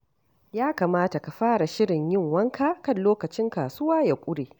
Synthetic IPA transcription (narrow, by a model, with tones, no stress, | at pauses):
jaː˦kaː˨maː˦ta˨ka˨ɸaː˦ɽa˨ʃɪ˦ɽɪ˨ɲjɪ˦ŋwɐ˦ŋkʰaː˦kɐ˦˨nloː˦kɐ˨t͡ʃɪ˦ŋkaː˨sʊ˦waː˦jaː˨kʷʼʊ˦ɽeː˨